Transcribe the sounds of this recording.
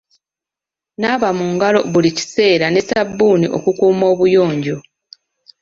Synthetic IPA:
naːβamuŋɡalo̞βulici̥se̞ːɾane̞sabːuːniʔo̞̰kukuːmo̞ːβujoːɲɟo

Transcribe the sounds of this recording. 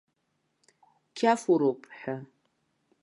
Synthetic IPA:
kʲʰafuɾowpʼħa

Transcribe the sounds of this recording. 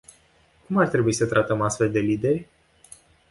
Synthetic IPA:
kumart̪ɾe̞buisət̪ɾʔat̪əmast̪fe̞ld̪e̞lid̪e̞rʲ

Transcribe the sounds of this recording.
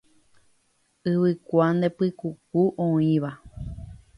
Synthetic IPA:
ɨβɨkʷand̪epɨkukuʔõĩʋa

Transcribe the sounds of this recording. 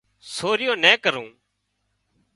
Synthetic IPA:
soːɾɪjõːnɛ̃ːkəɾũː

